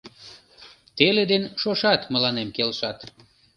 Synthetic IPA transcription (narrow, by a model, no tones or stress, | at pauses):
t̪eled̪enʃoʃɑt̪məlɑnemkelʃɑt̪